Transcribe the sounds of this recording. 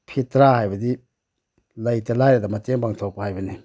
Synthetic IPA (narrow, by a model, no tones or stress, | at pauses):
pʰitɾahajbɐdi | lɐjtɐlajɾedɐmɐteŋbaŋtʰok̚pɐhajbɐni